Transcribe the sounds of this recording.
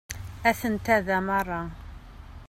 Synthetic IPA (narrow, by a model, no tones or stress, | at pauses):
æθənt̪æðæmɑrˤːɑ